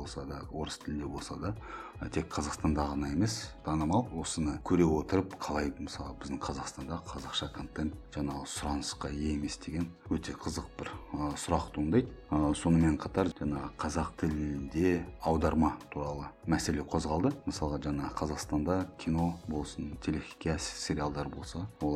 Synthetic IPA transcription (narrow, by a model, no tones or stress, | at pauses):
olˠsɑd̪ɑwo̞ɾəst̪ʰɪlɪnd̪e̞bo̞lˠsɑd̪ɑ | t̪ʰe̞kqʰɑzɑqst̪ɑnd̪ɑʁɑnɑe̞me̞st̪ʰɑnəmɑlˠwo̞sənəkʲʰɵɾe̞wo̞t̪əɾəpqʰɑlˠɑjd̪əməsɑlˠəbɪzd̪ɪɴqʰɑzɑqst̪ɑnd̪ɑqʰɑzɑqʃɑkʰo̞nt̪ːent̪ʒ̥ɑɴɑʁəsʊɾɑnəsqɑjeeme̞sd̪e̞ɡʲe̞nwɵt̪e̞qʰəzəq̚bɪɾəsʊɾɑqt̪ʰuənd̪ɑjd̪əso̞nəme̞ɴqʰɑt̪ɑɾʒɑɴɑʁəqʰɑzɑqt̪ʰɪlɪnd̪e̞ɑwd̪ɑɾmɑt̪ʰuɾɑlˠəmæse̞le̞qʰo̞zʁɑlˠd̪əməsɑlˠəʁɑʒɑɴɑəqʰɑzɑqst̪ɑnd̪ɑkʲʰino̞bo̞lˠsənt̪ʲʰe̞lexʲi̥kʲæssʲe̞ɾialˠd̪ɑɾbo̞lˠsɑwolˠ